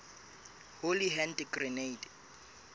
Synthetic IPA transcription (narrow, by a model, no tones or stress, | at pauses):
holiɦɛndɡrineid